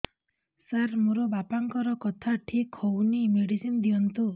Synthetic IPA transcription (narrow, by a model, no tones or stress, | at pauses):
saɾmuɾɔbapaŋkɔɾɔkɔt̪ʰaʈʰikʰhownimeɽisind̪iɔnt̪u